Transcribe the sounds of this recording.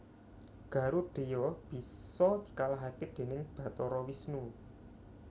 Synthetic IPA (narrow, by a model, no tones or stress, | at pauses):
ɡ̥ä̤ɾuɖ̥e̤jɔb̥i̤sɔd̪̥i̤̥kalaɦaked̪̥e̤nɪŋb̥ä̤t̪ɔɾɔwisnu